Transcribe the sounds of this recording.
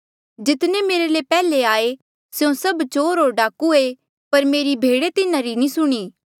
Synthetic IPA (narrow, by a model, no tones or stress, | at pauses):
d͡ʒɪt̪nẽmeːɾelepɛːleaːe | seõsɐbt͡ʃoːɾɦoːɾɖaːkue | pɐɾmeːɾibʱeːɽet̪ɪnãɾinĩsʊɽ̃iː